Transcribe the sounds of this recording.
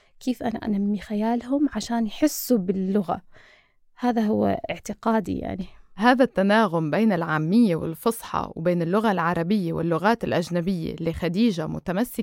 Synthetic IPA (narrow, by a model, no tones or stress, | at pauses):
keːfʔana̰ʔa̰namːixajaːlhʊmʕaʃaːnjħɪsːubɪlːʊɣa̰ | haːðaɦʊw̰ːʔɪʕt̪ɪqaːd̪ḭja̰ʕnihaːðat̪ːanaːɣʊmbeːnɪlʕaːmːɪjːewɪ̰lfɑsˤħɑ̰wbeːnɪlːʊɣalʕɑɾˤɑbɪjːewɪ̰lːʊɣaːt̪ɪlʔaʒnabɪjːḛlixad̪iːʒamʊ̰t̪amasːɪ